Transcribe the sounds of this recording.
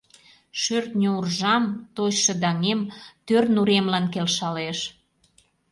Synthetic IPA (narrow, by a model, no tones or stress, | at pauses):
ʃørt̪nʲourʒɑmt̪oɕʃə̆d̪ɑŋemt̪ørnuɾemlɑnkelʃɑleʃ